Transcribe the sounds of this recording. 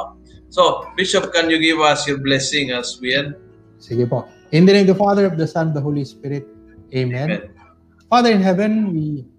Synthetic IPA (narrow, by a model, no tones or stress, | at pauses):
sobiʃɔp̚kãnjuɡivasjɔblɛsɪ̃ŋaswiə̃n | siɡepɔ | ɪ̃nd̪ɛnẽmd̪əfad̪əɾɔfd̪əsãnɔfd̪əɦoːlispɪɾɪt̪̚ | emɛ̃n | faːd̪əɾɪ̃nɦɛvə̃nwi